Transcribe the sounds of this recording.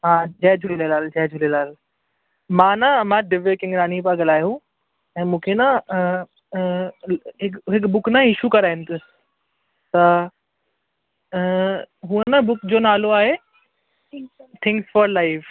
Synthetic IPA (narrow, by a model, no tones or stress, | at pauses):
ɦãːd͡ʑɛːd͡ʑʱulilelaːld͡ʑɛɦd͡ʑʱʊlilaːl | mãːnamãːɖɪʋekɪ̃ŋɾaːnip̬aɡɐlaːjũ | ɛ̃ːmũːkʰenã | ɦɪkɦɪkbʊknãɪʃukɐɾaːɦɪnɪ̆t̪ʰʊs | t̪ɐ | ɦũənabʊkd͡ʑoːnaːloaːɦe | t̪ʰɪ̃ŋksfɔɾlaɪf